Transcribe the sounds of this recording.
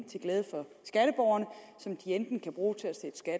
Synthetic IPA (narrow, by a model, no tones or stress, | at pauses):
t͡sʰe̝ɡ̥leːð̞ˠfɒ̽sɡ̥æɾ̥əb̥ɒʊɐnəsɒ̽md̥iend̥n̩kʰæb̥ʁuːt͡sʰe̝æsed̥ə̥sɡ̥æd